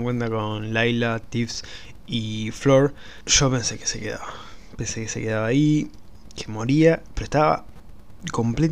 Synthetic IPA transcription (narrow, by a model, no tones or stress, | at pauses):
ŋkwe̞nt̪ako̞nlajlat̪ifs | ifloɾ | ʃo̞pe̞nsekesekeða̰βape̞nsekeseke̞ðaβaːi | kʰemo̞ɾiapeɾoeht̪aβa̰ | ko̞mple